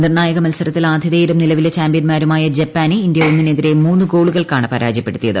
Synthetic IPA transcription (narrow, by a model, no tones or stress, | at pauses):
nirnaːjɐɣɐmɐlsɐɾɐt̪ːilaːd̪ʱiðeːjɾumnilɐʋilet͡ɕaːmbijɐnmaːɾumaːjɐd͡ʑɐpːaːniind̪jɐonːineðiɾe̞muːnːuɡo̞ːɭuɣɐɭkaːɳɨpɐɾa̰ːd͡ʑjɐpːe̞ɽut̪ːijɐðɨ